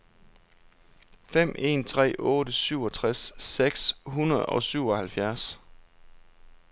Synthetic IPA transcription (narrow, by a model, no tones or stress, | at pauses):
fem̰ʔe̝̰ːnt͡sʰʁɛ̰ːʔɔ̽ːɾəsyʊɒ̽t͡sʰʁasːeɡ̥sɦunɐð̩ˠɒ̽syʊɒ̽hælfjæɐs